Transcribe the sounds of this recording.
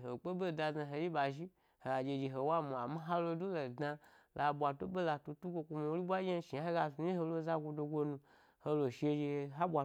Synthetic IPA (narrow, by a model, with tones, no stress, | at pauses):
ɦo˨k͡po˦be˦˨da˧za˧ɦo˧ji˦ba˨ʒi˦ | ho˨ɡa˨d͡ʒe˧d͡ʒe˧ɦo˨wa˦mu˨a˨ma˦ɦa˦lo˧du˦lo˨dna˧ | lʔa˨bʷa˨to˦be˦la˧tu˧tu˦ɡʷo˧kʷu˧mo˧wɾi˦bʷa˦e˦ʃi˨a˦a˦ɡa˧zu˨˦i˦ɦo˧lo˧za˦ɡʷo˧do˧ɡʷo˧nũ˧ | ho˧lo˨ʃe˧d͡ʒe˧˨˧ɦa˦bʷa˨